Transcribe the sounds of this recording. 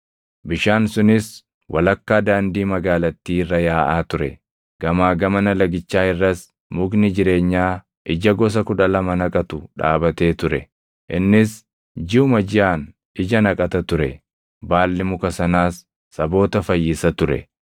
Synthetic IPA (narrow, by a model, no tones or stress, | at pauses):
bɪʃaːnsʊnɪs | wʔɐlɐkːaːd̪aːnd̪iːmɐɡaːlɐt̪ːiːrːɐjaːʔaːt̪ʊɾɛ | ɡ̥ɐmaːɡɐmɐnɐlɐɡɪt͡ʃːaːɪrːɐs | mʊɡnɪd͡ʒɪɾe̞ːɲːaː | ʔɪd͡ʒɐɡɔs̬ɐkʊᶑɐlɐmɐnɐkʼɐt̪ʊᶑa̰ːbɐt̪e̞ːt̪ʊɾɛ | ʔɪnːɪs | d͡ʒɪʊmɐd͡ʒɪjaːn | ɪd͡ʒɐnɐkʼɐt̪ɐt̪ʊɾɛ | baːlːɪmʊkɐsɐnaːsː | ɐbo̞ːt̪ɐfɐjːɪsɐt̪ʊɾɛ̰